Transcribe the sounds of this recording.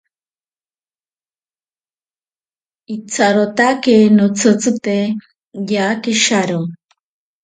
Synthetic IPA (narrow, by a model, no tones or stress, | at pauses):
it͡sʰaɾot̪akenot͡sʰɨt͡sɨt̪e | jakɪʃaɾo